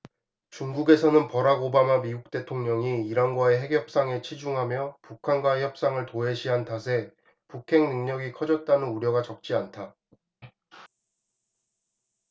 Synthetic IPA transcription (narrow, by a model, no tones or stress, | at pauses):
t͡ɕuŋɡuɡe̞sʰʌnɯnpʌɾaɡobamamiuk̚t͈e̞tʰoŋɲʌŋiːɾʌnɡwae̞ɦe̞kjʌp̚s͈aŋe̞t͡ɕʰid͡ʑuŋɦamjʌpukʰanɡwaeçjʌp̚s͈aŋɯɭtoɦe̞ɕʰiɦantʰasʰe̞ | pukʰe̞ŋnɯŋɲʌɡikʰʌd͡ʑʌt̚t͈anɯnuɾjʌɡat͡ɕʌk̚t͡ɕ͈iantʰa